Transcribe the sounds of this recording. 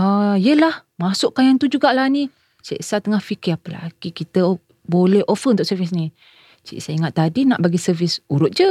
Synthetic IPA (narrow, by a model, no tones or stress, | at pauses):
aijəlahmasʊʔkajant̪ud͡ʒuɡaʔlahni | t͡ʃḭʔsat̪əŋahfikɪapəla̰ɡ̥ikit̪ə | bolɛɦʔofərut̪ʊʔsərfɪs̬ni | t͡ʃḭʔsaiŋat̪ːadina̰ʔbaɡisərvɪsuɾʊt̪̚d͡ʒə